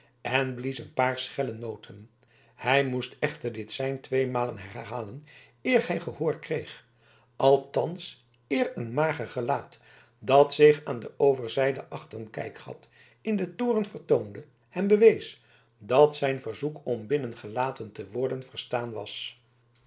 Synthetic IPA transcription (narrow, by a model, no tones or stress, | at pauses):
ɛnblisənpaːɹsχɛlənowtʰən | hɛjmustɛχtəɹdɪtsɛjntʋejmaːlənɦɛrɦaːlən | ɪːrhɛjχəhʊːɹkrejχ | ʔɑlˠtɑns | ɪːrənmaːχəχəlaːt | dɑtsɪχaːndəʔowvəɹzɛjdəʔɑχtənkɛ̰jkχɑ̰t | ɪndətoːrənvərtowndə | ɛnbəʋejs | dɑtsɛjnvəɹzukɔmbɪnənχəlaːtəntəʋʊɹdənvərstaːnʋɑ̰s